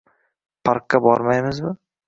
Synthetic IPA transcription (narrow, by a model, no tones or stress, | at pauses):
pʰaɾqːabɒɾmajmɪzmɪ